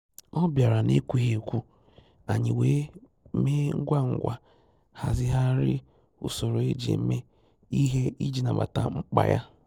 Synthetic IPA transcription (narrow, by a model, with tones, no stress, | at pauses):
ɔ˦bja˨ɾa˨nḛ˦kʷu˦e˨kʷu˦ | a˨ɲɪ˨weː˦ | me˦ŋ̩˦ɡʷa˦ŋ̩˨ɡʷa˨ | ha̰˨zɪ˦ɦa˦ɾɪ˦ | ʊ̰˦so˨ɾo˨e˦d͡ʒḛ˨˦me˦ | i˦ɦe˦i˦d͡ʒi˨na˨ba̰˨ta˨ŋ͡m̩˦k͡pa̰˨ja̰˦